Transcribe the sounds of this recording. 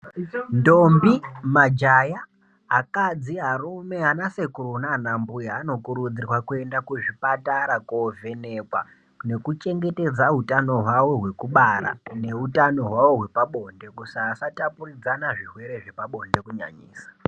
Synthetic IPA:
ndo̞mbimad͡ʒaja | akad͡ziɦarume̞anase̞kuɾunanambujaano̞kuɾud͡zirwakue̞ndakuʐipataɾakovʱe̞ne̞kwa̰ | ne̞kut͡ʃe̞ŋɡe̞te̞d͡zaɦutano̞ɦwawo̞ɦwe̞kuɓaɾa̰ne̞utano̞ɦwawo̞ɦwe̞paɓo̞nde̞kusaːsatapurid͡zanaʐiɦwe̞ɾe̞ʐe̞paɓo̞nde̞kuɲa̰ɲḭːsḁ

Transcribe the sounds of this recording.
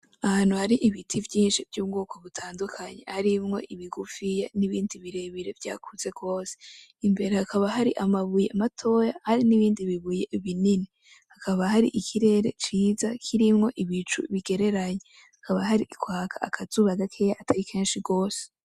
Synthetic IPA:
ahaːn̥huhaɾiʔiβitʰivjiːnʃivjuːbɡuːko̞βutʰaːndukʰaɲe̞̰haɾimŋo̞̰ʔiβiɡufijeniβiːndiβiɾe̞βiɾe̞vja̰ːkʰuze̞ɡ̥o̞ːse | imbe̞ɾehakʰaβaɦaɾiʔamaβujematʰo̞jahaɾiniβiːndiβiβuje̞βinini | hakʰaβahaɾḭʔikʰiɾe̞ɾe̞̰t͡ʃiːzakʰiɾimŋo̞ʔiβit͡ʃṵβiɡe̞ɾe̞ɾaɲe | hakʰaβahaɾiikwaːkʰaakʰaz̥uβaɡakʰejaʔatʰaɾikʰe̞ːnʃiɡo̞ːse̥

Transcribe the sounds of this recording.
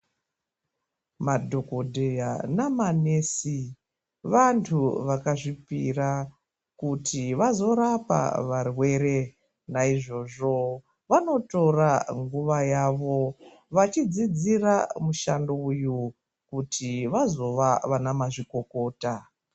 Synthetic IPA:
madʱo̞kodʱejanamanesi | ʋantʰuʋakaʐipira | kutʰiʋazo̞ɾapa̰ʋarwe̞ɾe̞ | naiʐo̞ʐo̞ | ʋano̞to̞raŋɡuʋajaʋo̞ | ʋat͡ʃid͡zid͡ziramuʃandouju | kutʰiʋazo̞ʋaʋanamaʐiko̞ko̞ːta

